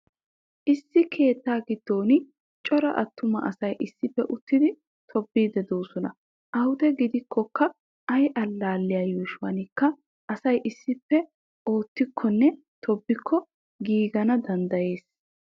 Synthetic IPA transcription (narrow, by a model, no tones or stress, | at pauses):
ʔɪsːɪkʰe̞ːt̪ːaːɡɪd̪̥ːo̞ːnɪ | t͡ʃʼɔɾɐʔɐt̪ːʊmɐ̰ʔɐsɐjʔɪsːɪpːɛʔʊt̪ːɪd̪ɪ | t̪ʰɔbːiːd̪ɛd̪oːsɔnɐ | ʔɐwʊd̪ɛɡɪd̪ɪkːɔkːɐ | ʔɐjʔɐlːaːlːɪjaːjuːʃʊwɐ̰nɪkːɐ | ʔɐsɐjʔɪsːɪpːɛ | o̞ːt̪ːɪkʰːɔnːɛ | t̪ʰɔbːɪkʰːɔ | ɡiːɡɐnɐd̪ɐnd̪ɐje̞ːs